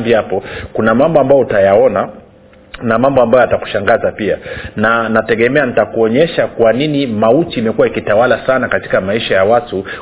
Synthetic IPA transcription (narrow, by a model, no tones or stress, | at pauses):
biapɔkunamambɔambajɔutajaɔna | namambɔambajɔataku̥ʃaŋɡazapia̰nanatɛɠɛmɛanitakuɔɲɛʃakwaninimautiːmɛkuwaikitawalasanakati̥kamaiʃajawatu